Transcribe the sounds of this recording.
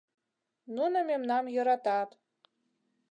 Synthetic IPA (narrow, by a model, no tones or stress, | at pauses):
nunŏmemnɑmjɤ̆ɾɑt̪ɑt̪